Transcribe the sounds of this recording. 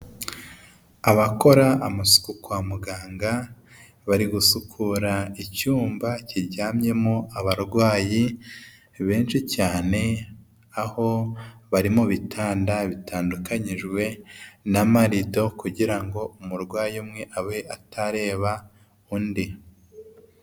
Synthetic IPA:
aβako̞ɾaːmusu̥kukwamuɡaːŋɡa | βaɾiɡusukʰuɾaicuːmbaciɾɟaːmje̞moaβaɾɡwaːji | βe̞ːnʃicaːne̞ | aho̞βaɾimoβitʰaːndaβitʰaːndukaɲiʒɡwe̞namaɾido̞kuɟiɾaŋɡo̞umuɾɡwaːjimŋe̞ʔawe̞ʔatʰaɾe̞ːβa | undi

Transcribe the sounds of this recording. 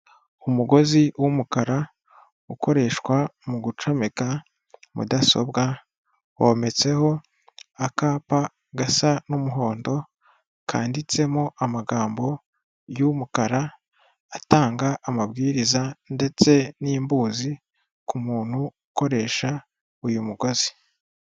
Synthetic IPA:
umuɡo̞ziwumukaɾa | uko̞ɾe̞ːʃkwamuɡut͡ʃo̞me̞ka | mṵdaso̞̰bɡa | wome̞t͡se̞ho̞ | akaːpa | ɡasanumuɦo̞ːndo̞ | kʰa̰ːndit͡se̞moʔamaɡaːmbo̞ | jumukaɾa | ataːŋɡaʔːmabɡiːɾizande̞t͡se̞niːmbuːzi | kumuːn̥huuko̞ɾe̞ːʃa | ujumuɡo̞zi̥

